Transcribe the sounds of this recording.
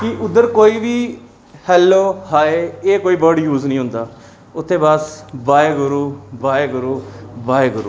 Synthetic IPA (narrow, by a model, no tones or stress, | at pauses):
kɪʔʊd̪ːəɾkoːiːʋiː | hɛːlːoːhaːeːeːkoːiːbəɾɖjuːznĩːɦʊ̃nd̪aː | ʊt̪ʰːẽːbəsbaːeɡʊɾuːbaːeːɡʊɾuːbaːeɡʊɾṵː